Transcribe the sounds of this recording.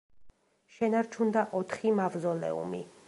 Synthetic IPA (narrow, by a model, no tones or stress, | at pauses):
ʃɛnaɾt͡ʃʰund̪aʔɔt̪ʰχimavzɔlɛ̰ṵmḭ